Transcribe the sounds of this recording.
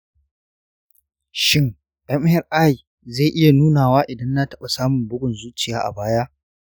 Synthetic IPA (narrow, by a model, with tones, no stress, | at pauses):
ʃɪ˦ŋ | ɗɐ˦mɪ˦jɐ˨rʔa˦ji˨ | zeː˦˨ʔɪ˦ja˨nuː˦naː˨waː˦ʔɪ˨dɐ˦nːa˦tɐ˦ɓa˨saː˦mʊ˨mbʊ˦ɡʷʊ˨nzuː˦t͡ʃɪ˨jaː˦ʔa̰˨baː˦jaː˦